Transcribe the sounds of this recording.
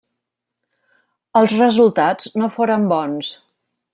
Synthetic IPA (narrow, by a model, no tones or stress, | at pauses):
əlˠzrəzulˠt̪ad͡znofoɾəmbɔns